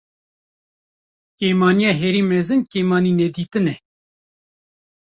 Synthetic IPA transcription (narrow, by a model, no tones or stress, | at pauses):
kejmɑːnijɑːɦɛɾiːmɛzɨnkeːmɑːniːnɛd̪iːt̪ɨnɛ